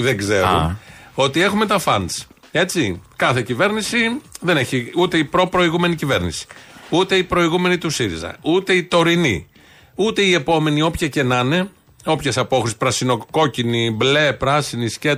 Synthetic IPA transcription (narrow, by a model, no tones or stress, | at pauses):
ðeɡze̞ṵo̞t̪ie̞xume̞t̪ɐfɐnd̪s | e̞t͡sikɐθe̞cive̞ɾnisiðe̞ne̞çiut̪e̞ipɾo̞pɾo̞iɣume̞nicive̞ɾnḭsi̥ut̪e̞ipɾo̞iɣume̞nit̪usiɾḭzɐ̰ut̪e̞it̪o̞ɾinḭ | ut̪e̞ie̞po̞me̞nio̞pçɐce̞nɐne̞ | o̞pçesɐpo̞xɾispɾɐsino̞ko̞cinible̞pɾɐsinisce